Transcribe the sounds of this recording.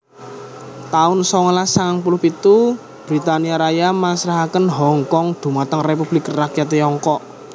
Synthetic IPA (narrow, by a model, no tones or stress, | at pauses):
t̪aʊnsɔŋlasaŋaŋpulʊhpit̪u | b̥ɾit̪aniaɾajamasɾaɦakənɦɔŋkɔŋd̪̥ṳmat̪əŋrep̬ub̥lɪkrakjat̪ɔŋkɔʔ